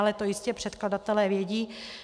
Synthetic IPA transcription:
alɛt̪o̞jɪscɛpr̝̥ɛt̪kladat̪ɛlɛːvjɛɟiː

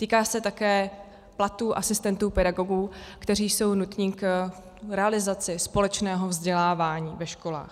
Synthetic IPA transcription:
t̪iːkaːsɛt̪akɛː | plat̪uːʔasɪst̪ɛnt̪uːpɛdaɡo̞ɡuːkt̪ɛɾ̝iːso̞wnut̪ɲiːk | ɾɛalɪzat͡sɪspo̞lɛt͡ʃnɛːɦo̞vzɟɛlaːvaːɲiːvɛʃko̞la̰ːx

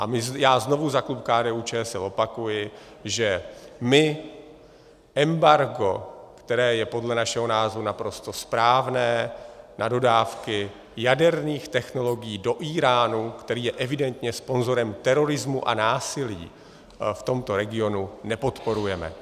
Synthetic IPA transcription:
ʔamɪzjaːzno̞vuzaklupkaːdɛːʔut͡ʃɛːsɛlo̞pakujɪ | ʒɛmɪ | ʔɛmbaɾɡo̞̰kt̪ɛɾɛːjɛpo̞dlɛnaʃɛɦo̞naːzvunapɾo̞st̪o̞spɾaːvnɛːnado̞daːfkɪ | jadɛɾniːxt̪ɛxno̞lo̞ɡɪjiːdo̞ʔiːɾaːnukt̪ɛɾiːjɛʔɛvɪdɛnt̪ɲɛspo̞nzo̞ɾɛmt̪ɛɾo̞ɾɪzmuʔa̰naːsɪlḭː | ft̪o̞mt̪o̞ɾɛɡɪo̞nunɛpo̞t̪po̞ɾujɛmɛ̰

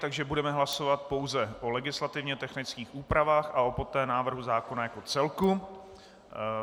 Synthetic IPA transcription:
t̪aɡʒɛbudɛmɛɦlaso̞vat̪̚po̞wzɛʔo̞lɛɡɪslat̪ɪvɲɛt̪ɛxnɪt͡skiːxʔuːpɾavaːxʔaopo̞t̪ɛːnaːvr̩ɦuzaːko̞najako̞t͡sɛlku

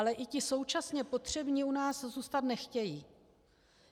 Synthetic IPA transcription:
lɛʔɪcɪso̞wt͡ʃasɲɛpo̞t̪r̝̥ɛbɲiːunaːszuːst̪at̪nɛxcɛjiː

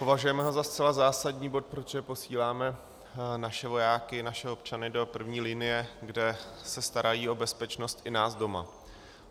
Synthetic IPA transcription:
po̞vaʒujɛmɛɦo̞zast͡sɛlazaːsadɲiːbo̞t̪̚pɾot̪ʒɛpo̞siːlaːmɛ | naʃɛvo̞jaːkɪnaʃɛo̞pt͡ʃanɪdo̞pr̩vɲiːlɪnɪjɛɡdɛsɛst̪aɾajiːo̞bɛspɛt͡ʃno̞st̪ʔɪnaːzdo̞ma̰

